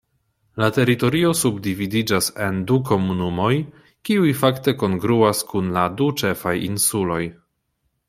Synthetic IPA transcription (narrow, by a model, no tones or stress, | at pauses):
late̞ɾito̞ɾio̞subdividid͡ʒase̞nduko̞munumo̞j | kiujfakte̞ko̞ŋɡɾuaskunladut͡ʃe̞fajinsulo̞j